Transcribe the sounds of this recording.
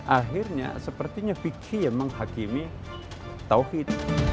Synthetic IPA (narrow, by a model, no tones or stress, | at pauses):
ʔaɦɪrɲa̰səpərt̪iɲabikʰijaməŋɦakimi | t̪awhit̪